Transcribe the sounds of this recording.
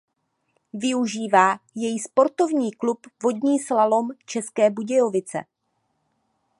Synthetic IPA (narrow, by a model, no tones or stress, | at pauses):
vɪuʒiːvaːjɛjispo̞ɾt̪o̞vɲiːklupvo̞dɲiːslalo̞mt͡ʃɛskɛːbuɟɛjo̞vɪt͡sɛ̰